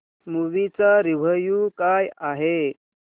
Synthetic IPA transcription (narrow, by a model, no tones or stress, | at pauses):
muʋit͡saɾiʋ̤əjukajaɦe